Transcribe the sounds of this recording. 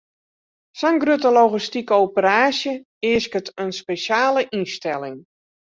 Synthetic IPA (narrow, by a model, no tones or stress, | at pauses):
sɔnɡrøtəloɣistikəowpəɾaːsjə | ɪəskətənspeʃjaːləʔinstɛlɪŋ